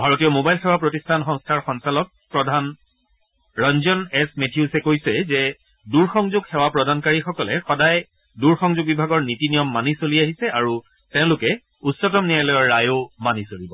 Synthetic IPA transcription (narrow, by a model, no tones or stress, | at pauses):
bʱaɹotijɔmobajlxɛwapɹotistʰanxɔ̃ŋstʰaɹxɔŋsalɔk̚pɹɔdʱan | ɹɔnzɔnɛsmetʰijusɛkojsɛzɛ | duɹxɔŋzʊɡxɛwapɹɔdankaɹixɔkɔlɛxɔdaj | duɹxɔŋzuɡ̚bibʱaɡɔɹnitinijɔmːanisoliaɦisɛaɹu | tɛʊ̃lʊkɛ | utsɔtɔmnialɔjɔɹːajomanisoɹibɔ